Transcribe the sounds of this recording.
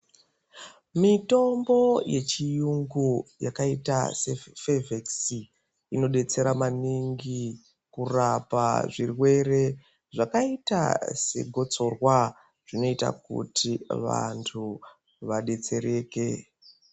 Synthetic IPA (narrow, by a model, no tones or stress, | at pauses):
mito̞mbo̞je̞t͡ʃijuŋɡuja̰kaita̰se̞feveksi | ino̞ɗe̞t͡se̞ɾamaniŋɡi | kurapa̰ʐirwe̞re̞ | ʐakaita̰se̞̰ɡʱo̞t͡so̞rwa | ʐ̥ino̞ita̰kṵtiʋa̰ntʰu | ʋaɗe̞t͡se̞ɾe̞ːke̞